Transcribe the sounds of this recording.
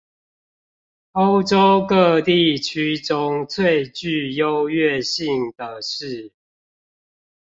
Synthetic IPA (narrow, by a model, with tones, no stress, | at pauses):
o˦ʊʈ͡ʂo˦ʊkɤ˥˧˨t̪i˥˨t͡ɕʰy˥ʈ͡ʂʊ˦ŋt͡sʰwe˥˨ɪt͡ɕy˥˨jo˦ʊɥɛ˥˨ɕi˥˨ŋd̪ə˩ʂɻ̩˥˨